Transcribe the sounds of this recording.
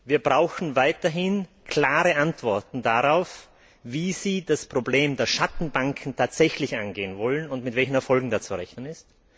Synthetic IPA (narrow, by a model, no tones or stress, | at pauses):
viːɐbʁaʊxn̩vaɪtɐɦɪn | kʰl̥aːʁəʔantv̥ɔɐtn̩daʁaʊf | viːz̥iːdaspʁ̥obleːmdeːɐʃatn̩baŋkʰn̩tʰaːtz̥ɛçlɪçʔanɡeːənvɔlənʊntmɪtv̥ɛlçn̩ɛɐfɔlɡŋ̩dast͡suʁɛçnənɪst